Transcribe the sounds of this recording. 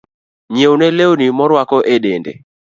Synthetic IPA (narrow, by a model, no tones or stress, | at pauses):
ɲewnelewnimɔɾwakɔʔedendḛ